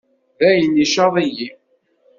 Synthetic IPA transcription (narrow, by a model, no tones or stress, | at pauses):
ðæjəniʃɑðˤiji